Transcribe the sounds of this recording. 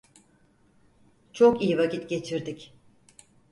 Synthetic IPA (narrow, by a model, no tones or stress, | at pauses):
t͡ʃʰokijivakcʰit̪ɟe̞t͡ʃʰiɾd̪ic